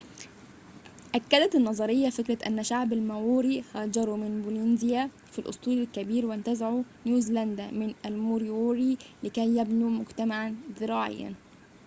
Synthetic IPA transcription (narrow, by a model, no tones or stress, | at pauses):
ʔækːæd̪æt̪ɪnːɑzˤɑɾɪjːafɪkɾat̪ʔænːæʃaʕbælmæwuːɾihɑːd͡ʒɑɾˤumɪnbulinzɪjæ | filʔʊ̰sˤt̪ˤuːlɪlkæbiːɾwɪnt̪æzaʕunjuːzilænd̪æmɪnʔælmuɾiuːɾilɪkæjːæbnumʊɡt̪amaʕanzɪɾɑːʕɪ̰jːa̰n